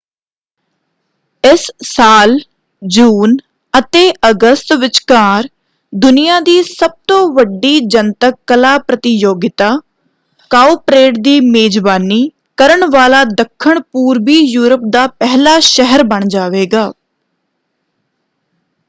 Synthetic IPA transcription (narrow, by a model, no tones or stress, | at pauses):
ɪsːaːl | d͡ʒuːn | ət̪eːʔəɡəst̪ʋɪt͡ʃkaːɾ | d̪ʊnɪjãːd̪iːsəb̚t̪õːʋəɖiːd͡ʒənt̪əkːəlaːpɾət̪ɪjoːɡɪt̪aː | kaːuːpɾeːʈd̪iːmeːd͡ʒʋaːniː | kəɾəɳʋaːlaːd̪əkʰːəɳpuːɾbiːjuːɾəp̚d̪aːpɛɦlaːʃɛɦəɾbəɳ̃d͡ʒaːʋeːɡaː